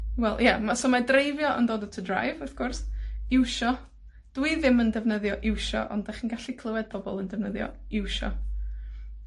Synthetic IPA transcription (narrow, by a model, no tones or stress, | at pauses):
wɛlˠjamasoːmadrejvjɔʔɔ̰ndoːdətʰədra̰jvəθɡ̥ʊrsɪwʃɔ | d̥wɨðɪməndɛvnəðjɔʔɪwʃɔ̰ʔɔ̰ndaχinɡaɬikʰlˠəwɛd̚bʰɔbɔlˠəndɛvnəðjɔ̰ɪwʃɔ̰